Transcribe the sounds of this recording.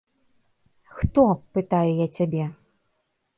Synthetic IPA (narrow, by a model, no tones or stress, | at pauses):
xt̪ɔpɨt̪ajujat͡sʲabʲɛ